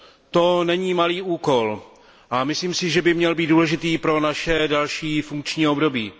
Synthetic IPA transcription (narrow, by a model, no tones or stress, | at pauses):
t̪o̞nɛɲiːmaliːuːko̞l | ʔamɪsliːmsɪʒɛbɪmɲɛlbiːt̪̚duːlɛʒɪt̪iːpɾo̞naʃɛdalʃiːfuŋk̚t͡ʃɲiːo̞bdo̞biː